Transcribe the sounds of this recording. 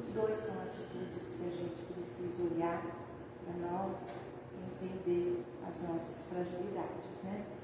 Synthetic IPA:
ʊzd̪ojsɐ̃w̃at͡ʃit̪ud͡ʒɪskɪɐʒẽnt͡ʃɪ̥pɾesizɐoʎaɾ | pɾɐnɔvɐs | ɪẽnt̪ẽnd̪eɾ | ɐ̰znɔsɐsfɾaʒilid̪ad͡ʒɪznɛ

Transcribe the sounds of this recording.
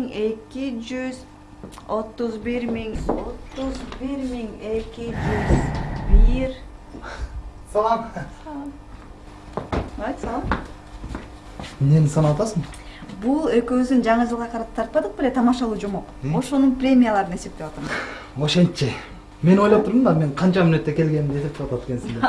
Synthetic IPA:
ŋe̞kid͡ʒyz | o̞t̪ːuzbiɾmiŋo̞t̪ːuzbiɾmiŋe̞kid͡ʒyzbiɾʲ | sɑlˠɑmsɑlˠm | ajt̪sɑlˠɑm | nenisɑnɑwɑt̪ɑsmbulˠøkøβyzd̪ynd͡ʒɑɴɯd͡ʒɯlˠʁɑqʰɑɾɑt̪ʰɑɾt̪̚pɑd̪ɯq̚belet̪ʰɑmɑʃɑlˠuːd͡ʒomo̞qo̞ʃo̞nunprʲe̞mʲijalˠɑɾɯne̞se̞p̚t̪e̞ʋɑt̪ɑmz | oʃent̪t͡ʃe | me̞no̞jlˠopt̪ʰuɾd̪ɯmd̪ɑme̞ɴqʰɑnt͡ʃɑmynø̞t̪ːe̞ke̞lɡenimd̪et̪ep̚t̪ewɑt̪at̪̚dkʰe̞nsind̪e

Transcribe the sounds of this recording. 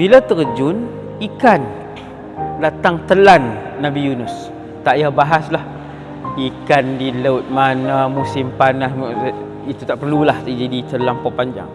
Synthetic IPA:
bilat̪ərd͡ʒʊn | ikan | lat̪aŋt̪əlanːãbijunʊs | t̪aʔjahbaɦaslah | ikandiləʊt̪̚manamusɪmpanas | it̪ut̪aʔpərlulahid͡ʒadit̪əlampɔpaɲd͡ʒa̰ŋ

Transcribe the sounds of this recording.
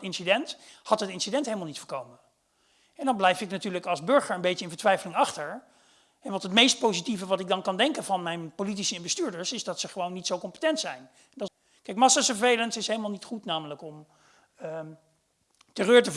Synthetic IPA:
ɪnsidɛnthɑtətɪnsidɛntɦejləmalˠnitfəːɹkowmə | ɛndɑnblɛjfɪknatyːɹləkɑlˠzbɵɹχəɹəmbejcəɪnvəɹtʋɛjfəlɪŋɑχtəɹ | ɛnʋɑtɦətmejst̚powzitivəʋɑtɪɡ̚dɑnkɑndɛŋkənvɑnmɛjnpolitisəɪnbəstyːɹdəɹsɪzdɑtsəχəʋownːitsowkɔmpə̥tɛntsɛjn | ndɑ | kɛjkmɑsaːsəvejləntɪsɦejləmalˠnitχutnaːmələkɔm | tərøːɹtə

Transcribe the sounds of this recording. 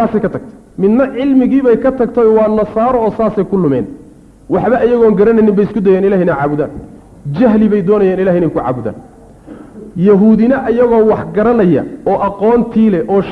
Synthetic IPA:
aːsɛjkʰɐt̪ʰɐɡ̥̚t̪ʰɐ̥ | mɪnnɐʕɪlmɪɣiːβɛjkʰɐt̪ʰɐɡt̪ʰɔwɑːnɐsaːɾɔɔːsaːsɛjkʰʊlʊmɛ̰ːn | wɑħβɐʔɐjɐɣɔːŋɡɐɾɐnɐjnːɪmbɛjɪskʰʊd̪ɐjaːnɪlaːhɪnɐʕɑ̰ːβʊða̰ːn | t͡ʃɐɦlɪβɛjd̪ɔːnɐjaːnɪlaːɦɪnɛjkʰʊʕɑ̰ːβʊða̰ːn | jɐɦuːðɪnɐʔɐjɐɣɔːwɑħɡɐɾɐnɐjɐ̰ɔːʔɐqɔːnt̪ʰiːlɛʔɔːʃ

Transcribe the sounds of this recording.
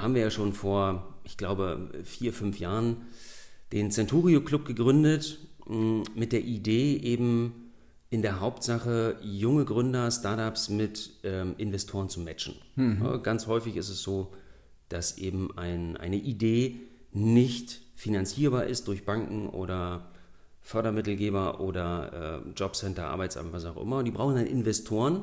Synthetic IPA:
haːbmviːɐjaːʃoːnfoːɐʔɪçɡ̥laʊbəfiːɐfʏnfjaːʁən | d̥eːnt͡sɛntʰuːʁiokl̥ʊp̚ɡ̥əɡʁʏndət | mɪt̚d̥eːɐʔideːʔeːbm̩ | ʔɪndeːɐɦaʊptz̥aχəjʊŋəɡʁʏndɐstaɐtapsmɪtʔɛːmʔɪnvɛstʰoːʁ̞ənt͡sumɛt͡ʃn̩n̰ɡanshɔʏfɪçɪstɛsz̥oː | d̥asʔeːbm̩ʔaɪnʔa̰ɪnəʔideː | nɪçtfinant͡siːɐbaːɐʔɪst̚d̥ʊɐçb̥aŋkŋ̩ʔo̰ːɾɐ | fœɐɾɐmɪtl̩ɡeːbɐʔo̰ːdɐʔɛ̰ːd͡ʒɔpsɛntɐʔa̰ɐbaɪt͡sʔa̰ːmvas̬aʊxʔɪ̰mɐd̥iːbʁaʊxn̩danʔɪ̰nvɛstʰoːʁən

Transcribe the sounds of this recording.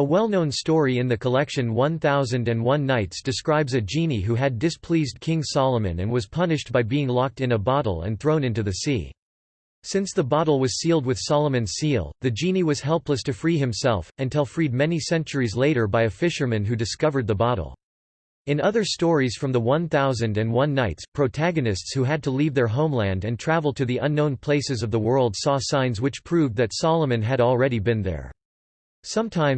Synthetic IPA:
əwɛlˠnõʊ̃nstɔɹiɨ̃nðɨkʰəlɛkʃɨ̃nwʌ̃nθaʊzɨ̃ndɨ̃nwʌ̃nːaɪtsd̥ɨskɹaɪbzɨd͡ʒĩniɦuɨdɨspʰl̥izdkʰɪ̃ŋsɑlˠəmɨ̰̃nɨ̃nwʌz̥pʰʌnɨʃt̚b̥aɪbiɪ̃ŋlɑk̚tɨ̃nəbɑɾl̩ˠə̰̃nθɹõʊ̃nɪ̃ntʉðɨsḭ | sɪ̃nsðəbɑɾl̩ˠwʌz̥silˠd̚wɨð̥sɑlˠəmɨ̃nz̥silˠðɨd͡ʒĩniwʌz̥hɛlˠpləstʰɨfɹiɨ̃msɛ̰lˠfɨ̃ntʰɛlˠfɹid̚mɛnisɛ̃nt͡ʃə˞izleɪɾə˞baɪɨfɪʃə˞mɨ̃nɦʉdɨskʌvə˞d̪̚ðəbɑɾl̩ˠ | ɨ̃nʌðə˞stɔɹiz̥fɹʌ̃mðəwʌ̃nθaʊzɨ̃ndɨ̃nwʌ̃nːaɪtspʰɹ̥oʊtʰæɡɨnɨstshuɨd̚tʰəlivðə˞ɦõʊ̃mlæ̃ndɨ̃ntʰɹ̥ævl̩ˠdtʰɨðiʔʌ̃nːõʊ̃npʰl̥eɪsɨzʌvðəwɜ˞lˠd̥sɔsãɪ̃nzwɨt͡ʃpʰɹ̥ʉvd̪ðɨtsɑlˠəmɨ̃nɨɾl̩ˠɹɛɾibɨ̃nðə̰˞ | sʌ̃mtʰãɪ̃m

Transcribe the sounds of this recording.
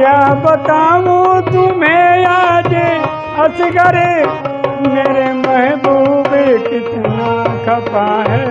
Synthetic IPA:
jaːbɐt̪aːʋot̪umẽjaːd͡ʒe | ɐsɪɡɐɾe | meːɾemɐɦɛbobekɪt̪nakʰɐpaɦɛ

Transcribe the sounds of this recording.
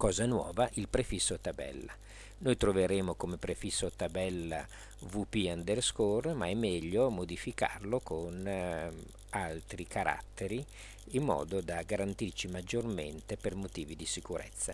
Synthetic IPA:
kɔːzanwɔ̰ːvaʔilpɾefisːot̪abɛ̰lːa | nojt̪ɾoveɾeːmokomepɾefisːot̪abɛlːa̰ | vupiand̪erskormaɛmːɛʎːomod̪ifika̰rlokʰon | alt̪ɾikʰaɾʔa̰t̪ːeɾi | imːɔ̰ːd̪od̪aɡaɾant̪irt͡ʃimad͡ʒːorment̪epermot̪iːvid̪isikuɾḛt̪sːa

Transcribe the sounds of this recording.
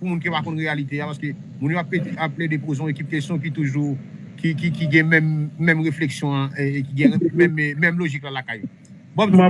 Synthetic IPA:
pumũnkipakɔ̃nʁealit̪eapasə̥kø | mũnjoapːet̪ɛapːled̪epozɔ̃ekip̚kesjɔ̃k̬it̪uʒu | kikikiɡɛ̃mɛ̃mːɛ̃mɣefleksjɔ̃ãekiɡɛ̃mɛ̃mmɛ̃mloʒiklãlakajo | bɔb

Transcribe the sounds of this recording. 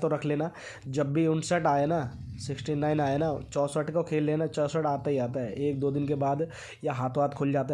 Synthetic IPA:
t̪oɾɐkʰleːna | d͡ʒɐbːiʊɳsəʈaːena | sɪksʈinãːɪnaːenat͡ʃɔːsəʈkokʰeːlːeːnat͡ʃɔːsəʈaːt̪aɦiaːt̪aɦɛeːk̚d̪oːd̪ɪnkebaːd̪ | jaɦaːt̪ʰõɦaːt̪kʰʊːld͡ʒaːt̪̬a

